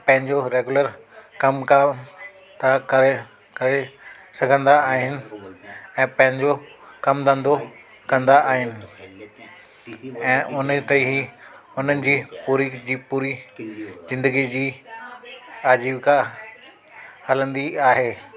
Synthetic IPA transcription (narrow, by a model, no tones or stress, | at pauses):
pɐ̃ɦɪ̃ɲd͡ʑoɾeːɡʊləɾkɐmka | t̪ʰakɐɾe | kɐɾe | sɐɡʱə̃nd̪aaːɦɪnɪ̆ | ɛ̃ːpɐ̃ɦɪ̃ɲd͡ʑokɐmd̪ə̃nd̪o | kɐ̃nd̪aʔaːɦɪnɪ̆ | ɛ̃ːʔʊnt̪eɦiʊn̤ənɪ̆d͡ʑiːpuːɾiːd͡ʑiːpuːɾi | zɪ̃nd̪əɡid͡ʑiː | aːd͡ʑiːʋka | hɐlə̃nd̪iaːɦeː